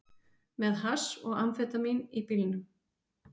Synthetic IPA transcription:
mɛðɦasɔɣamfɛːt̪aminipilɪnʏm

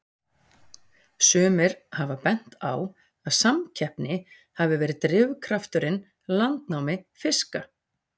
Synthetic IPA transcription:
sœːmɪɾ̥havapɛn̥t̪a̰w | aðsamcʰɛhpnɪ | havɪvɛːɾɪt̪ɾɪvkʰɾaft̪ʏɾɪn | lant̪nawmɪfɪska

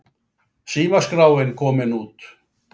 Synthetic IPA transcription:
siːmaskrawenkomenut̪

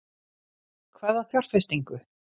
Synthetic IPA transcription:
kʰvɛːðaθjɔwr̥t̪fejst̪iŋkʏ

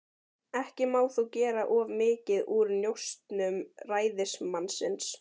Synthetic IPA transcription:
ɛhcɪmaːwθuwcɛːɾaʔɔvmɪːcɪðuɾnjowst̪nʏmraːjðɪsmansɪns

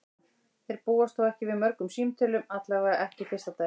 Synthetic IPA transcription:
θejɾpuːast̪θowɛhcɪvɪðmœɾkʏmsiːmt̪ʰʏlʏmat̪laːɣaðɪʔɛhcɪfɪr̥st̪at̪aː

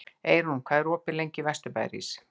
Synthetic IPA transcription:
ejɾumkʰvaːðɛɾɔːpɪlejɲcɪvɛst̪ʏpa̰jɾḭs

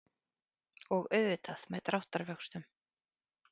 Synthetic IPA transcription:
ɔɣœɥðvɪt̪aðmɛðt̪ɾawht̪aɾvœkst̪ʏm

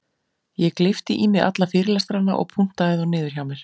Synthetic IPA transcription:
jɛklɪft̪ɪʔimɪɣa̰t̪lafɪːɾɪlɛst̪ɾanːa̰ʔɔ̰ɣpʰun̥t̪aðɪðɔnɪːðʏɾ̥jawmɪɾ̥

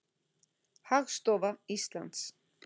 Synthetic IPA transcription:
haʁst̪ʼɔvaisla̰ns

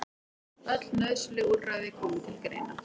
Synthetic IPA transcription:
œt̪lnœðslɪɣuɾraɣðɪkʰɔːmʏt̪ʰɪlkɾḛːjna

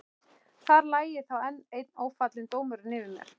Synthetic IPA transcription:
θaɾlaːjɪθawɛnːejt̪noːwfat̪lɪnt̪oːwmʏɾʏnɪːðɪmjɛ̰ɾ̥

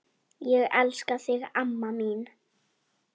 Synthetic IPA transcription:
jəʔalskasɪɣamːamiːn

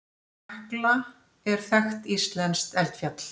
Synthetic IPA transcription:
ɛhkla | ɛɾ̥θɛxt̪ist̪lɛnst̪ɛl̥t̪fjat̪l̥

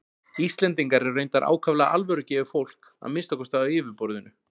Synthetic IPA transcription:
ist̪lɛnt̪iŋkaɾɪrejnt̪aɾʔa̰ːwkʰavlaaʔa̰lvœɾʏcɛːvʏ̥fowl̥k | a̰mɪnst̪ɔkɔst̪aaɪːvʏpɔɾðʏnʏ

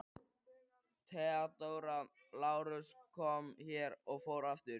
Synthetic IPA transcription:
t̪ʰɛat̪owɾa | laːwɾʏskʰɔmçɛɾɔɣfoːwɾaft̪ɪɾ

